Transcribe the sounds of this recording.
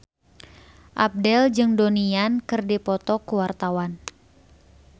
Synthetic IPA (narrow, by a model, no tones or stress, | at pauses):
ʔap̚dɛld͡ʒɨŋdoniankɨrdipɔt̪ɔkuwart̪awan